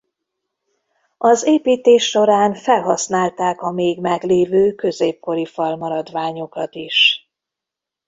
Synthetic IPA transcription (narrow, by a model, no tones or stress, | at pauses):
ɒzeːpiːt̪eːʃːo̞ɾaːnfɛlɦɒsnaːlt̪aːkɒmeːɡmɛɡleːvøːkø̞zeːp̚ko̞ɾifɒlmɒɾɒd̪ʋaːɲo̞kɒt̪iʃ